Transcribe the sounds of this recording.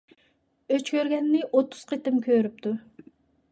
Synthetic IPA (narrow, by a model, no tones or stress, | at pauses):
øt͡ʃkʲʰøɾɡʲɛnːɪʔot̪ʰːu̥z̥qʰet̪ɪmkʲʰøɾyp̚t̪ʰu